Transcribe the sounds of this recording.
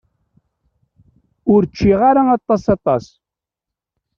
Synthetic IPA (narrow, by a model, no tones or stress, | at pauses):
ʊɾt͡ʃːiʁaɾaɑt̪ˤːɑsɑt̪ˤɑ̰s